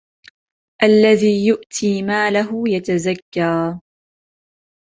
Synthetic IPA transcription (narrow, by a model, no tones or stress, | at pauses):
ʔalːaðiːjʊʔt̪ʰiːmaːlaɦʊjat̪azakːaː